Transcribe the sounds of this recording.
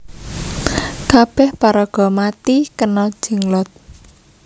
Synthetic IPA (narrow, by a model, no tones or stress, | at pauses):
kab̥ɛhpaɾɔɡ̥ɔ̤mat̪ikənɔ̥ʒ̥iŋlɔt̪̚